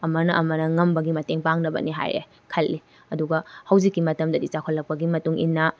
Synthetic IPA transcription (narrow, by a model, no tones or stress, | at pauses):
ɐmɐnɐʔɐmɐnɐŋɐmbɐɡimɐteŋpaŋnɐbɐ̰niɦa̰jɾḛ | kʰɐlːi | ɐduɡɐhɐwzikːimɐtɐmdɐdit͡ʃakʰolːɐk̚pɐɡimɐtuŋḭnːɐ